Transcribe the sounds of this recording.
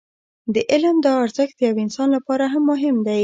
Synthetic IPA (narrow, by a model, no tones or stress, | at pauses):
d̪əʔɪlmd̪əɑɾzəxd̪̥əjawɪnsɑnlapɑɾaɦamːʊɦɪmd̪aj